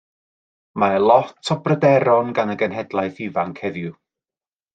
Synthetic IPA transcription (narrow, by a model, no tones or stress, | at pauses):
maəlˠɔtʰɔbrədɛɾɔnɡanəɡənɦɛdlˠajθivaŋkʰhɛðjʊ